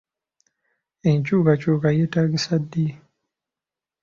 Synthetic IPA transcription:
eɲcuːkacukajetaːɡisadːi

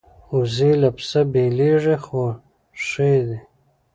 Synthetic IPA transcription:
uzilapsabeleʐixo | ʂed̪i

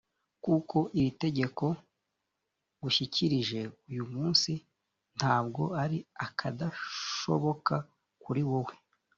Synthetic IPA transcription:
kuko̞ʔiɾite̞ɟe̞ko̞ | ɡuʃicʰiɾiʒe̞ujumuːnsi | n̥haːbɡo̞aɾiakʰadaʃo̞βo̞ka | kuɾiwowe̞

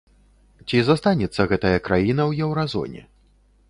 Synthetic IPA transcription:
t͡sʲizast̪anʲɛt̪sːɐɣɛt̪ɐjɐkɾajin̪ɐwjɛwɾazɔ̰nʲɛ̰

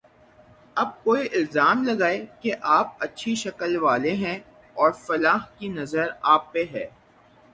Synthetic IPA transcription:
ɐb̚koːiʔɪlzaːmlɐɡaːekeʔaːp̚ɐtːʃʰiʃɐkəlʋaːleɦɛ̃ | ɔːɾfɐlaːɦkinɐzəɾaːpːeɦɛː

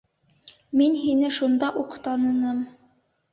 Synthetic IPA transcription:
minɦinɘʃund̪ɑʔuqt̪ɑnɤ̆nɤm

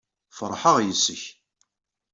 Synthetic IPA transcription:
fəɾˤħəʁjəsːəç

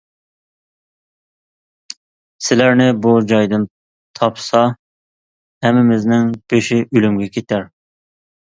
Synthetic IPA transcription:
sɪlæɾnɪbud͡ʒɑjd̪ɨn | t̪ʰɑpsɑ | hɛmːɪmɪznɪŋb̥eʃɪʔylymɡʲɛkʲʰet̪ʰæɾ

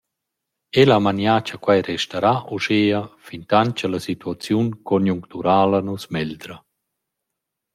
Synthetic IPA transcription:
elamanjaːt͡ʃakwajɾɛʃtaɾaʔuʃeːəfint̪aɲt͡ʃəlasit̪uat͡sjunkɔnjuŋkt̪uɾaːlənusmɛld̪ɾə

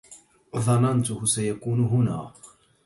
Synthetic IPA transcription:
ðˤɑnɑnt̪ʊhʊsajakuːnʊɦʊna̰ː

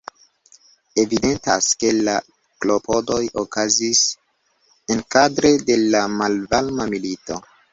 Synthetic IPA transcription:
e̞vide̞nta̰ske̞la | klo̞po̞do̞jokazis | enkadɾe̞de̞lamalvalmamilito̞

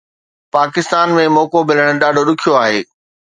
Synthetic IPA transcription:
paːkɪst̪aːnmẽmɔːkobɪləɽ̃̆ɗaːɖʱoɗʊkʰijoaːɦeː

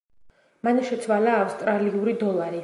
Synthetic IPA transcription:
manɔʃɛt̪sʰwalaːfst̪ʼɾaliuɾid̪ɔlˠaɾi

